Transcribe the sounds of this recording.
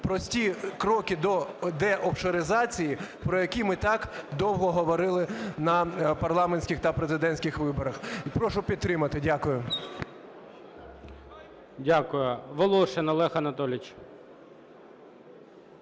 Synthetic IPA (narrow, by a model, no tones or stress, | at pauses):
pɾɔsʲtʲikɾɔkʲɪd̪ɔd̪ɛʔɔfʃɔɾɪzɑt͡sʲijipɾɔjɐkʲimɪt̪ɑkd̪ɔwɦɔɦɔʋɔɾɪlˠɪnɐpɐrlˠɑmenʲsʲkʲɪxt̪ɐpɾezɪd̪ɛnʲsʲkʲɪxʋɪbɔɾɐxpɾɔʃʊpʲid̪̚t̪ɾɪmɐt̪ɪdʲakʊjʊ | dʲakʊjʊʋɔlˠɔʃɛnɐlˠɛxɐnɐt̪ɔlʲɪt͡ʃ